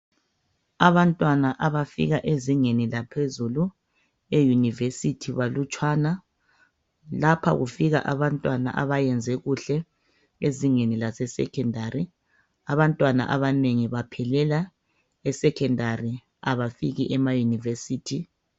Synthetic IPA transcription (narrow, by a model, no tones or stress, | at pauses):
aβantʼwanaʔaβafḭɣaʔeziŋenilapʰezulu | ejunivesitʰiβalut͡ʃʼwana | lapʰa̰ɣufiɣa̰ʔaβantʼwana̰ʔaβajɛnd͡zʱɛɣuɬɛ | eziŋenilasɛsɛ̰kʰɛndʱaɾi | aβantʼwana̰ʔaβaneŋiβapʰɛlɛla | ɛsɛkʰɛndari | aβafiɣiʔɛmajunivesiːtʰi